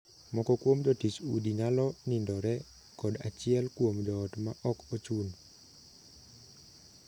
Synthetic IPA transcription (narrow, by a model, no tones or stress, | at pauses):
mɔkɔkwomd͡ʒɔtit͡ʃṵdinalɔnindɔɾɛ | kɔdat͡ʃɪɛlkwomd͡ʒɔːtmaʔɔkot͡ʃun